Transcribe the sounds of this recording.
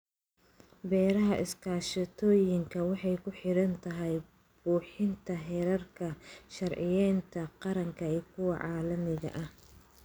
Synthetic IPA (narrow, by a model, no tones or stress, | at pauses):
bɛːɾɐɦɐʔɪskʰaːʃɐt̪ʰɔːjɪŋkʰɐwɑħɑjkʰʊħɪɾɐnt̪ʰɐɦɛj | b̥uːħɪnt̪ʰɐɦɛːɾɐrkʰɐʃɐrʕɪjɛːnt̪ʰɐqɑɾɐŋkʰɐɛːkʰʊwɑʕɑːlɐmɪɣɐ̰ʔɐh